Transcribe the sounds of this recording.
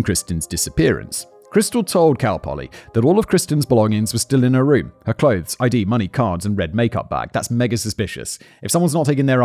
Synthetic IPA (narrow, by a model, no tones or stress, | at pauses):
kʰɹ̥ɪstɨ̃n̩zdɪsɨpɪɹɨ̰̃ns | kʰɹ̥ɪstl̩ˠtʰoʊlˠd̚kʰalˠpʰɑ̰lˠḭðəɾɔlˠʌv̥kʰɹ̥ɪstɨ̃n̩zbəlɔ̃ŋɪ̃ŋzwʌz̥stɪlˠɨ̃nəɹʉ̃mhə˞kʰl̥oʊðz̥aɪdimʌɾ̃ikʰɑɹdzɨ̃nɹɛd̚meɪkʌ̰p̚b̥æ̰ɡ̥̚ðæ̰tsmɛɡɨsɨspɪʃɨ̰sʔɨfsʌ̃mwʌ̃nznətʰeɪkɨ̃ŋðə˞